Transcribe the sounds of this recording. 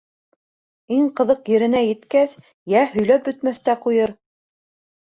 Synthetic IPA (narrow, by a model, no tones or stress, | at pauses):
iŋqɤ̆ðɤqjɘ̆ɾɘ̆næjɘ̆t̪kæθ | jæhɵ̆jlæp̚bɵ̆t̪mæθt̪æqujɤɾ